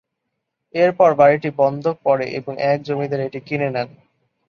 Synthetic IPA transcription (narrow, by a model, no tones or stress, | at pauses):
eɾpɔɾbaɾiʈibɔnd̪ʱok̚pɔɾeʔḛboŋʔɛk̚d͡ʑomid̪eɾeʈikinenɛn